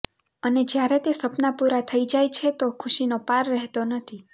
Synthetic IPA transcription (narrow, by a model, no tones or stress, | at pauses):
əned͡ʒjaɾet̪esəpnapuɾat̪ʰəid͡ʒajt͡ʃʰet̪okʰuʃinopaɾːɛɦt̪onət̪ʰi